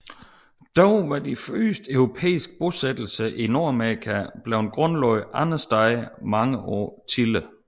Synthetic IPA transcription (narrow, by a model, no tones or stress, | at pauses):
d̥ɒʊʋɑ̈d̥iføːsd̥əœʊʁo̝pʰḛːisɡ̥̚b̥o̝sed̥l̩səʔino̝ɐ̰æmeikʰæb̥leʊnɡ̥ʁɔ̽nlɒʊʔɑnɐsd̥ɑ̈ɪmɑ̈ŋəʔɒ̰ːt͡sʰilə